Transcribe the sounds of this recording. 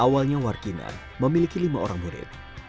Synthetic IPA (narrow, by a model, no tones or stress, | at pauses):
ʔawalɲawarkina̰n | məmilikilimaoɾaŋbuɾɪ̰t̪̚